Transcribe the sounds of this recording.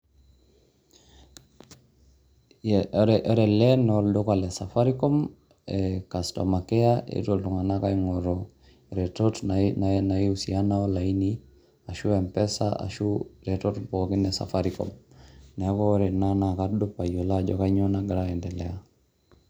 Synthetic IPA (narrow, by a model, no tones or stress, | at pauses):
ɾɛʔɔɾɛlɛnɔlɗɔkalɛsafaɾikɔm | ɛkastɔ̰makɛaḛtoluŋanakaiŋɔɾɔ | ɾɛtɔtnanaiusianaɔlaini | aʃuɛmpɛsa̰a̰ʃuɾɛtɔtpɔkɔkinɛsa̰faɾikɔ̰mnɛkɔɾɛnanakadɔpajɔlad͡ʒɔ̰kaiɲɔnaɡaɾaɛndɛlɛa